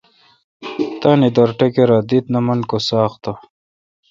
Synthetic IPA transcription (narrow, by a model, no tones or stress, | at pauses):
t̪aːnid̪oɾʈekeɾad̪it̪nɐmɐnkosaːχt̪a